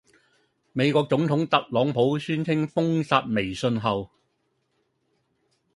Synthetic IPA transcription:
me˨˧jkʷɔː˧k̚t͡sʊ˨˥ŋt̪ʰʊ˨˥ŋt̪ɐ˨t̚lɔː˨˥ŋpʰo˨˥wsyː˥nt͡sʰɪ˥ŋfʊ˥ŋsaː˧t̚me˨˩jsɵ˧nɦɐ˨w

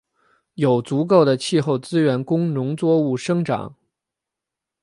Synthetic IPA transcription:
jo˨˩ʊt͡su˧˥k̬o˥˩ʊd̪ə˩t͡ɕʰi˥˧xo˥˩ʊt͡sɹ̩˥ɥɛ˧˥nkʊ˥ŋnʊ˧˥ŋt͡swɔ˥˧u˥˩ʂɤ˥ŋʈ͡ʂɑ̰˨˩˦ŋ

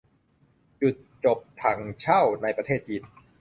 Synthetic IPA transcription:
t͡ɕu˨˩t̪̚t͡ɕo˨˩p̚t̪ʰa˩˦ŋt͡ɕʰa˥˩wna˧jpɾa˧t̪ʰeː˥˩t̪̚t͡ɕiː˧n

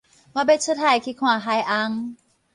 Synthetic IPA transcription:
ma˧be˧˦˥t̚sʰə˧˥t̪ʰa˧˩kʰi˧˦˥kʰwaː˨˩˦ɦa˧jʔa˧˥ŋ

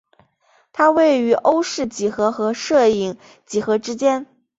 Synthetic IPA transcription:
t̪ʰa˥we˥˩ɪy˧˥ʔo˥ʊʂɻ̩˥˩t͡ɕi˨˩xɤ˧˥xɤ˧˥ʂɤ˥˧i˧˥˩ŋ | t͡ɕi˨˩xɤ˧˥ʈ͡ʂɻ̩˥t͡ɕjɛ˥n

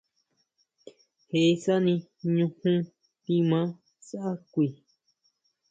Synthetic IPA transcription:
he˨˦sa˦nĩ˧ɲũ˧hũ˦ | pĩ˧mã˦ | sa˦ʔa˦kʷi˧˨

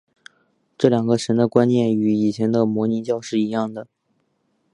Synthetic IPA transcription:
ʈ͡ʂɤ˥˩ljɑ˨˩ŋɡə˧˦ʂə˧˥nd̪ə˧kwa˥njɛ˥˩ny˧˥i˨˩t͡ɕʰjɛ˧˥nd̪ə˧mwɔ˧˥ni˧˥t͡ɕjɑ˥˧ʊʂɻ̩˥˩i˧˥jɑ˥˩ŋd̪ə˩

